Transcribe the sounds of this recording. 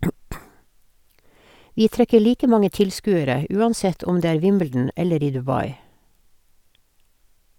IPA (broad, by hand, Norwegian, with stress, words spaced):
ˈʋiː ˈtɾɛkə ˈɭiːkə ˈmɑŋə ˈtɪlˌskʉːəɾə ə ˈʔʉːɑnˌsɛt ˈɔm ˈdeː ˈæːɹ ˈʋɪmbl̩dn̩ ˈɛləɾ ˈiː dʉˈbɑɪ